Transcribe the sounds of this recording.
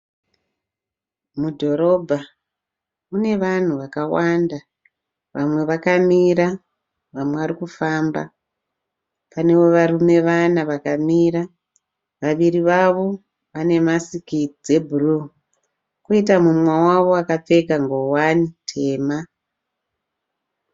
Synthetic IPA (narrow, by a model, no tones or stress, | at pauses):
mudʱo̞ɾo̞bʱa | une̞ʋan̤uʋakawanda | ʋamwe̞ʋakamiɾa | ʋamweʋaɾikufaːmba̰ | pane̞wo̞ʋarume̞ʋanaʋakamiɾa | ʋaʋiriʋaʋo̞ | ʋane̞masikid͡ze̞bʱuru | koitamumwawaʋo̞akap͡fe̞kaŋɡo̞wanitʰe̞ːma